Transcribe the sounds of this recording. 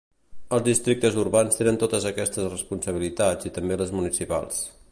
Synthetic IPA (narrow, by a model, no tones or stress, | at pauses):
əlˠzðist̪ɾik̚t̪əzurβanst̪enənt̪ot̪əzəkɛst̪əsrəspunsəβ̞ilit̪ad͡zit̪əmbeləzmunisipa̰lˠs